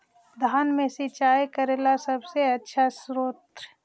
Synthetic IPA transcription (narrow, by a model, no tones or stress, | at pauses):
d̪ʱaːnmẽsit͡ʃaːjkəɾeːlasɐbseɐtːʃʰasɾoːt̪ɾ